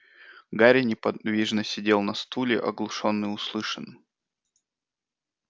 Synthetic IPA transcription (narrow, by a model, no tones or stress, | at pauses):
ɡaɾʲɪnʲɪpɐvʲiʐnəsʲɪdʲe̞lˠnɐst̪ulʲɪʔɐ̰ɡlˠʊʂo̞nːɨjʊslˠɨʂən